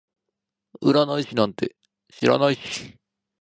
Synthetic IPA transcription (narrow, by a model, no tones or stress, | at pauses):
ɯɾanaiɕinãnt̪e̞̰ | ɕiɾa̰naiɕi̥